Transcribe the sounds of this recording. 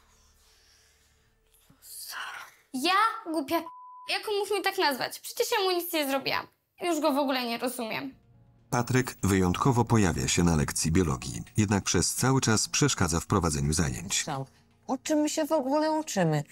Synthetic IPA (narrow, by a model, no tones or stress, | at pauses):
jaɡwupʲjajakɔmukmʲit̪aknazva̰t͡ɕpʂɛ̥t͡ɕɛʂɛmuɲit̪sɲɛzɾɔbʲḭwa̰m | juʐɡɔvɔɡulɛɲɛɾɔzumʲjɛ̰m | pat̪ɾɛkvɘjɔnt̪kʰɔvɔpɔja̰vʲja̰ɕɛnalɛ̰kt̪sʲjibʲjɔlɔ̰ɡʲjḭjɛd̪nak̚pʂɛst̪sawɘt͡ʂaspʂɛʂkad̪zafpɾɔvad̪zɛɲuza̰jḛɲt͡ɕ | ɔt͡ʂɨmɕɛvɔɡulɛut͡ʂɘmɘ